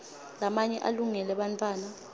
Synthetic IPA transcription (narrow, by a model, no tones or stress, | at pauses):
lamaɲɛʔa̰luŋɛlɛɓantʰʼwaːna